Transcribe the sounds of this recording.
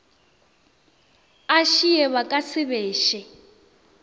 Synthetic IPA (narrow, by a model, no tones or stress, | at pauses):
aʃijɛβakʼasɪβɛːʃɛ